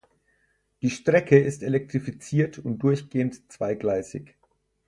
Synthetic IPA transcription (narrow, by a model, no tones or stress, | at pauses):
d̥iːʃtʁ̥ɛkʰəɪstelɛk̚tʁ̥ifit͡siːɐtʰʊnt̚d̥ʊɐçɡ̥eːəntt͡sv̥aɪɡlaɪsɪ̰ç